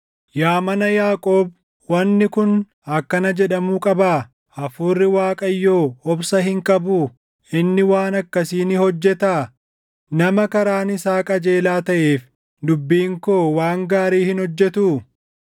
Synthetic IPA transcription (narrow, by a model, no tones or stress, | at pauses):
jaːmɐnɐjaːkʼo̞ːb | wɐnːɪkʊn | ɐkːɐnɐd͡ʒɛᶑɐmuːkʼɐbaː | ɐfuːrːɪwaːkʼɐjːoːɔbsɐɦɪŋkʼɐbuː | ɪnːɪwaːnɐkːɐsiːnɪhɔd͡ʒːɛt̪aː | nɐmɐkɐɾaːnɪsaːkʼɐd͡ʒe̞ːlaːt̪ɐʔeːf | d̪ʊbːiːŋkoːwaːŋɡaːɾiːhɪnhɔd͡ʒːɛt̪uː